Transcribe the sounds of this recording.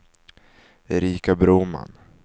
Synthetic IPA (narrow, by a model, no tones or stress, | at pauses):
ɛɾiːkabɾuːma̰n